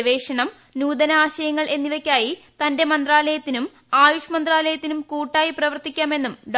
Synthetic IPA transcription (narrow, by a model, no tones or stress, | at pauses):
ʋe̞ːʂɐɳɐm | nuːd̪ɐnɐaːɕɐjɐŋːɐɭʔe̞nːiʋɐkʲːaːjit̪ɐnde̞mɐnd̪raːlɐjɐt̪ːinum | aːjuʂɐmɐnd̪raːlɐjɐt̪ːinumkuːʈːaːjiprɐʋɐrt̪ikʲːaːme̞nːumɖ